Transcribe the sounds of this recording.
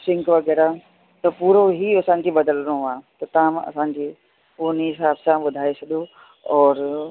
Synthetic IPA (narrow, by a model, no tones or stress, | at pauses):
sɪ̃ŋkʋɐɡɛːɾa | t̪ɐpuːɾoɦiɐsãːɲd͡ʑibɐd̪əlnõãːt̪ɐt̪ɐãːmɐ̰sãːɲd͡ʑiː | oniɦɪs̬aːbsãbʊd̪ʱaːet͡ʃʰɐd̪o | ɔːɾ